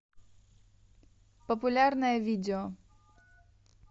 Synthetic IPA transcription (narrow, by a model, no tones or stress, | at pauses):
pəpʊlʲarnəjəvʲidʲɪo